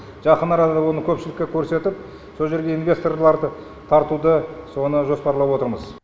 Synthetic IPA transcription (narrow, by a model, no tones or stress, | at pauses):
ʒ̥ɑqənɑɾɑd̪ɑd̪ɑwo̞nəkʲʰɵpʃɪlɪkʲːekʲʰɵɾse̞t̪ɪp̚ | so̞lˠʒe̞ɾɡʲe̞ijnvʲe̞st̪o̞rlˠɑɾd̪ə | t̪ʰɑɾt̪ud̪əso̞nəʒo̞spɑɾlˠɑpwo̞t̪əɾməz̥